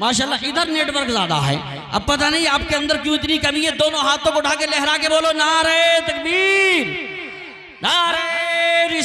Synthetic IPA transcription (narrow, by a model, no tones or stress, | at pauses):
maːʃaːlːaɪd̪əɾneːʈʋəɾkzaːd̪a̰ɦɛ̰ː | ɐ̰b̚pɐt̪anɐɦĩaːp̚keɐ̃nd̪əɾkjũːɪt̪nikɐmiɦɛd̪oːnõɦaːt̪ʰõkoɖʱaːkelɛɦɾaːkeboːlonaɾɐet̪ɐk̚biːɾ | nãɾɐeɾɪ